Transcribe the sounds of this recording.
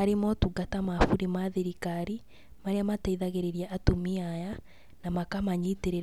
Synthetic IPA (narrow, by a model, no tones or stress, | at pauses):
aɾemɔtuɡatamafuɾemaðeɾikaɾi | maɾeamataiðaɣeɾeɾiaʔːtomiaja | namakamaɲiteɾe